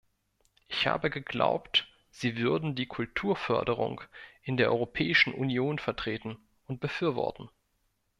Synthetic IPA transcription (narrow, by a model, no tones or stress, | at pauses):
ʔɪçha̰ːbəɡəɡla̰ʊpt | z̥iːvʏɐdn̩diːkʰʊltʰuːɐfœ̰ɐdəʁ̞ʊ̰ŋʔɪndeːɐʔɔ̰ʁopʰɛːɪʃn̩ʔṵnjoːnfɛɐtʁ̥eːtn̩ | ʔʊnt̚b̥əfyːɐvɔ̰ɐtn̩